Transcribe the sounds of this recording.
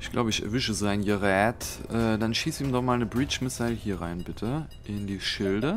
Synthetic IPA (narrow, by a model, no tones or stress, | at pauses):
ʔɪçɡ̥lʔa̰ʊbəɪçɛ̰ɐvʏʃəzaɪnɡəʁɛːtʔɛːdanʃiːsiːmdɔχmaːlnəbʁiːt͡ʃmɪsaɪlhiːɐʁa̰ɪnbɪtʰə | ʔɪndiːʃɪldə